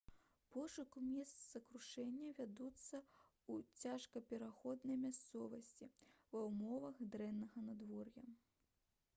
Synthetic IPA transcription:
pɔʂukumʲɛst̪szɐkɾuʂɛnʲːɐvʲad̪ut̪sːɐ | ut͡sʲaʂkɐpʲɛɾaxɔd̪nɐjmʲast̪sɔvɐsʲt͡sʲivɐwmɔvɐxd̪ɾɛnːɐɣɐnad̪vɔrjɐ

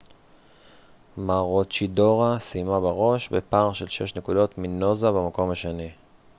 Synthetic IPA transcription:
maʁot͡ʃido̞ʁasimabaʁo̞ʃbepaʁʃelʃḛʃnekudo̞tmino̞zabemako̞maʃeni

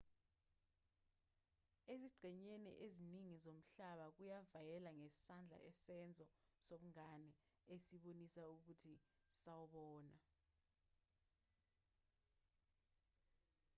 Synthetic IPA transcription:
eziɡ͡ǀʱɛɲenḭʔeziniŋizom̩ɬaɓak̬ujavajɛlaŋesi̥sand͡ɮʱa̰ʔɛsɛnd͡zʱɔsoɓuŋanɛesiɓonisauk̬utʰisawɔɓɔːna

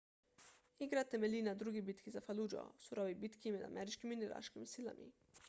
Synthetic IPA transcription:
iɡɾat̪emelinad̪ɾuɡibit̪kizafalud͡ʒo̰suɾoʋibit̪kimed̪a̰mʔeɾit͡ʃkiminiɾa̰ʃkimsila̰mʔḭ

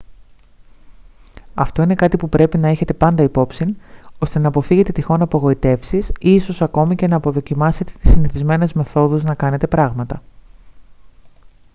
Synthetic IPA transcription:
ɐft̪o̞ine̞kɐt̪ipupɾe̞pinɐeçe̞t̪e̞pɐnd̪ɐipo̞psino̞st̪e̞nɐːpo̞fiɣe̞t̪e̞t̪ixo̞nɐːpoɣo̞it̪e̞fsisiso̞sɐko̞mice̞nɐːpo̞ðo̞cimɐse̞t̪e̞̥t̪i̥siniθizme̞ne̞zme̞θo̞ðuznɐkɐne̞t̪e̞pɾɐɣmɐt̪ɐ

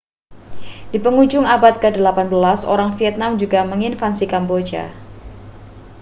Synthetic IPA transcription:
d̥ipəŋud͡ʒʊŋabat̪̚kədəlapanbəlaso̰ɾaŋfiɛt̪̚namd͡ʒuɡaməŋinfansikambod͡ʒa̰

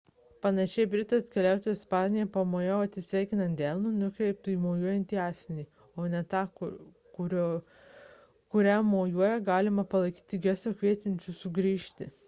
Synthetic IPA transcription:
pɐnɐʃʲɛɪbʲɾʲɪt̪oːskʲɛlʲæˑʊt̪oːjspɑːnʲɪjɛpɐmoːjoːɐt̪ʲsʲɪsʲʋʲæˑɪkʲɪnɐnt̪d̪ʲælʲˠnuːnʊkɾʲɛɪp̚t̪uːiːmoːjuɔjɛnʲt̪ʲiːɑːsʲɪnʲiː | oːnʲɛt̪ɑː | kʊɾʲo | kʊɾʲæːmoːjuɔjɛɡɑːlʲɪmɐpɐlˠɐɪkʲiːt̪ʲɪɡʲɛsʲoːkʲʋʲiɛt̪ʲɪnʲt͡ʃʲusʊɡɾʲiːʃʲt̪ʲɪ

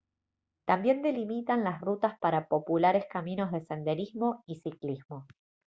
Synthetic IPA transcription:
t̪ambje̞nd̪e̞limit̪anlasrut̪aspaɾapo̞pulaɾe̞skamĩno̞zðe̞se̞nd̪e̞ɾizmo̞isiklizmo̞

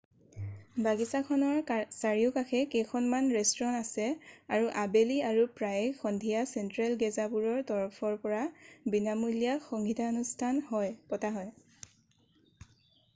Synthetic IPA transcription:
baɡisakʰɔnɔɹsaɹiʊkaxʰɛkejkʰɔnmanɹɛstɹɔnasɛaɹuʔabeliaɹupɹajxɔndʱijasɛntɹalɡɛzabuɹɔɹtɔɹɔpʰɔɹpɔɹabinamulijaxɔŋɡitʰaonustʰanɦɔjpɔtaɦɔj

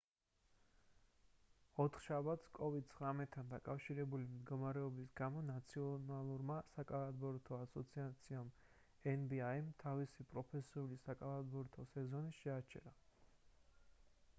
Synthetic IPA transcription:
ɔt̪ʰχʃabat̪skʼɔvid̪̚t̪sʰχɾamɛt̪ʰːand̪akʼafʃiɾɛbulimd̪ɡɔmaɾɛɔbisɡamɔnat̪sʰiɔnalˠuɾmasakʼalˠad̪bɔɾt̪ʰɔasɔt̪sʰiat̪sʰiam | ɛnbiaimt̪ʰavisipʼɾɔpʰɛsiulisakʼalˠad̪bɔɾt̪ʰɔsɛzɔniʃɛat͡ʃʰɛ̰ɾa

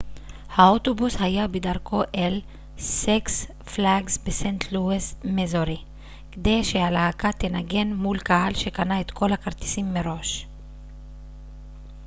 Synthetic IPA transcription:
haot̪obushajabed̪aʁkʰo̞ʔel | seks | flaɡsbesent̪ʰluesmezoʁi | ked̪e̞jʃehalaakat̪enaɡe̞nmulkaɦalʃekanaet̪kʰo̞lhakaʁt̪i̥simːeʁo̞ʃ

